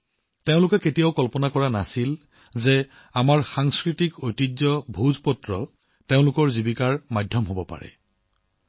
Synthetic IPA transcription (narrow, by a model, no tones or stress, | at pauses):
teʊ̃lʊkɛketijaʊkɔlpɔnakɔɹanasil | zɛ | amaɹxaŋskɹitikojtizɔbʱuzpɔtɹɔ | teʊ̃lʊkɔɹzibikaɹmadʱjɔmɦobɔpa̰ɹɛ̰